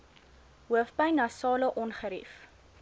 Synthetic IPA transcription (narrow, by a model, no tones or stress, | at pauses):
ɦuəfpəjnɐsɑːləʔɔnχəɾḭf